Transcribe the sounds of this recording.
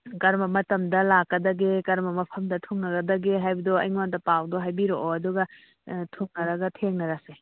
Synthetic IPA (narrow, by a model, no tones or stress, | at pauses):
kɐɾmɐmɐtɐmdɐlakːɐdɐɡekɐɾmɐmɐpʰɐmdɐtʰuŋnɐɡɐdɐɡeɦajbɐdoɐ̰jŋwandɐpawdoɦajbiɾoʔoɐduɡɐ | tʰuŋnɐɾɐɡɐtʰeŋnɐɾase